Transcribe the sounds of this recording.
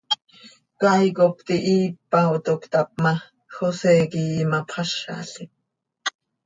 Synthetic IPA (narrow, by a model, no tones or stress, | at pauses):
kɑjkop̚t̪iʔiːpːaot̪okt̪ap̚mɑ | xosɛːkiːmɑpʰχɑʃɑ̰ɬi